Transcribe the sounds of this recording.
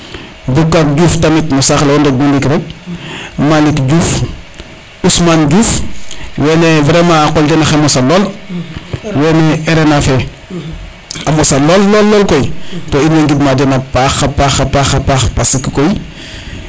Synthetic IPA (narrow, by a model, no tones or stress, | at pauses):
bukːak̚ɟuːftamitmusaxlɔndɛk̚munlikɾɛk̚ | malikɟuːf | usmanɟuːfwɛnɛvɾɛmaːqɔldɛnɐxemɔsalɔːl | wɛnɛɛɾɛnafɛ | amɔsalɔlːɔlːɔlkɔjtɔːinweŋɡidmadɛnapaxapaxɐpaxapaxpasikikɔj